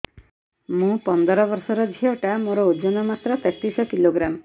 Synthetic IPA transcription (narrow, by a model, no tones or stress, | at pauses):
mũpɔnd̪ɔɾɔbɔɾsɔɾɔd͡ʒʱiɔʈamoɾɔod͡ʒonɔmat̪ɾɔt̪ɛt̪isɔkiloɡɾam